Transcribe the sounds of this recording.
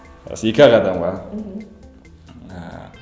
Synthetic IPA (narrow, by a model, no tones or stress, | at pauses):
a̰sikakat̪aŋɡa | a